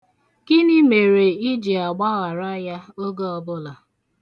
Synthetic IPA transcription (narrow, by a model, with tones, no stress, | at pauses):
kɪ˦nɪ˦me˨ɾe˨i˦d͡ʒi˨a˨ɡ͡ba˦ɣa˨ɾa˦ja˦o˦ɡo˦ɔ˦bʊ˦la˨